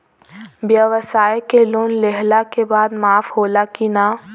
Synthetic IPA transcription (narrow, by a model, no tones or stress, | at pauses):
bjəʋəsaːjkeloːnleɦlakebaːd̪maːfhoːlakina